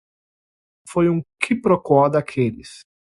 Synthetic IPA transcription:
fojũkʰɪpɾokwɔd̪akʰelɪs

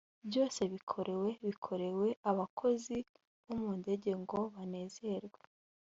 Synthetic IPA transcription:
bjo̞ːse̞βikʰo̞ɾʔeweβikʰo̞ɾe̞we̞aβakʰo̞zi | βomuːnde̞ɟe̞ŋɡo̞βane̞ːze̞ɾɡwe̥

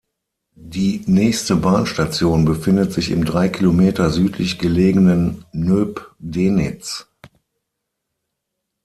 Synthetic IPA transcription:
d̥iːnɛːçstəbaːnʃtat͡sjoːnbəfɪndətz̥ɪçɪ̰mdʁaɪkʰilomeːtɐzyːtʰlɪçɡ̥əleːɡənənːøːpdeːnɪt͡s

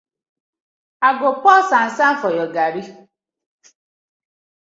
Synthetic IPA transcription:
aɡok͡pɔsan̩sam̩fɔjɔɡaɾi

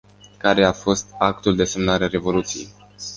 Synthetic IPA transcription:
kaɾe̞afo̞st̪ak̚t̪uld̪e̞se̞mnaɾeaɾe̞vo̞lut̪sije̞̰j

